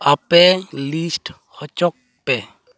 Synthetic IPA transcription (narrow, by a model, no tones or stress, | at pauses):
apɛlisʈ | hɔt͡ʃɔk̚ | pɛ